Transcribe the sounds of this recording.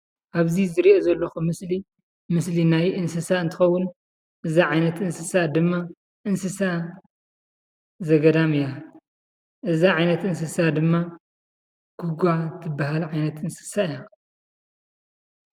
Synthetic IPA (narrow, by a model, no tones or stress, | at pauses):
ʔaβzizɨɾiʔozɐlːɐxumɨsli | mɨslinajʔɨnsɨsaɨnt̪ʰɨ̥xɐwːʊn | ʔɨzaʕajnɐt̪ʔɨnsɨsad̪ɨmːa | ʔɨnsɨsa | zɐɡɐd̪amɨja | ʔɨzaʕajnɐt̪ʔɨnsɨsad̪ɨmːa | ɡ̥uɡʷat̪ʰɨbːaɦalʕajnɐt̪ɨnsɨ̥saɨja